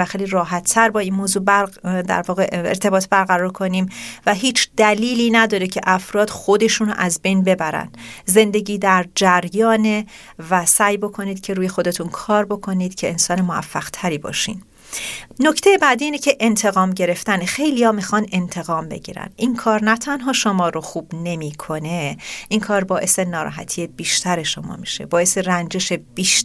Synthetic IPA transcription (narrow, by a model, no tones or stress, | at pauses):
æxejliɾɒːɦæt̪ʰːæɾbɒːiːnmoːzuːbd̪æ̰ɾvɒːɣe̞ḛɾt̪ʰe̞bɒːt̪ʰbæɾɣæɾɒːɾkʰo̞niːmvæɦiːt͡ʃʰd̪̥æliːliːnæd̪ɒːɾecʰe̞ʔæfɾɒːd̪̥xo̞d̪e̞ʃuːnʔæzbe̞jnbe̞bæɾæ̰nd̪̥ze̞nd̪e̞ɟiːd̪æɾd͡ʒæɾjɒːne | væsæːjbo̞kʰo̞niːd̪̥cʰe̞ɾuːje̞xo̞d̪e̞t̪ʰunkʰɒːɾbo̞kʰo̞niːd̪̥cʰe̞ensɒːnemoæ̰fːæɣ̥t̪ʰæɾiːbɒ̰ːʃḭːn | no̞cʰt̪ʰejebæd̪iiːnecʰeʔent̪ʰe̞ɣɒːmɟe̞ɾe̞ft̪ænxe̞jlijɒːmixɒne̞nt̪ʰe̞ɣɒːmbe̞̰ɟḭːɾæ̰n̥ʔiŋkʰɒːɾnæt̪ʰænɦɒːʃomɒːɾoxuːb̥ne̞miːkʰo̞neʔiŋkʰɒːɾbɒːʔe̞se̞nɒːɾɒ̰ːɦæ̰t̪ʰijeb̥iːʃt̪ʰæɾe̞ʃo̞mɒ̰ːmḭʃe̞̰bɒːe̞se̞rænd͡ʒeʃeb̥iːʃ